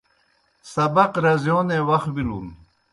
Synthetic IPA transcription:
sɐbɐqɾɐzjoːnewɐxbiɾun

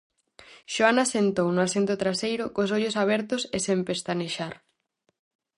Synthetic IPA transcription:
ʃoanasent̪ownʊasent̪ʊt̪ɾasejɾʊkos̬ɔʎʊsaβ̞ɛɾt̪ʊsesẽmpest̪aneʃaɾ

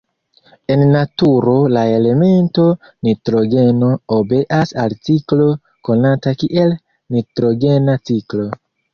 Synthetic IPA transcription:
e̞nːatuɾo̞lae̞le̞me̞nto̞ | nitɾo̞ɡe̞no̞obe̞ʔasalt͡siklo̞ | ko̞natakiʔe̞l | nitɾo̞ɡe̞nat͡siklo̞

